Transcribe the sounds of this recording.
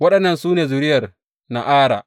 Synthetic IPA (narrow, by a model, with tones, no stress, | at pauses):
wɐ˦ɗɐ˨nːɐ˨nsuː˦neː˨zʊ˨ɽɪ˦jɐ˨r | na̰˨ʔaː˦ɽa̰ː˨ʔ